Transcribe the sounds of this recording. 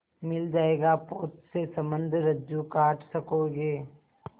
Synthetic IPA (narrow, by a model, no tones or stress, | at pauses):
mɪld͡ʒaːeːɡapoːt̪sesɐmə̃nd̪ʱɾɐd͡ʒukaːʈʰsɐkoːɡeː